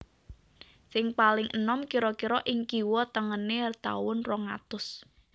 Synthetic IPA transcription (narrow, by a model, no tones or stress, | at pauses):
sɪŋpalɪŋənɔmkiɾɔkiɾɔʔɪŋkiwɔt̪əŋənert̪a̰wʊnrɔŋa̰t̪ʊs